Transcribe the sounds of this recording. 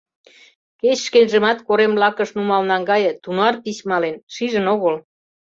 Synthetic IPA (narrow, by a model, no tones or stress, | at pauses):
ket͡ɕʃkenʒĕmɑt̪koɾemblɑkəʃnumɑlnɑŋɡɑjɤ̆t̪unoɑrt̪it͡ɕmɑlenʃiʒə̆noɣəl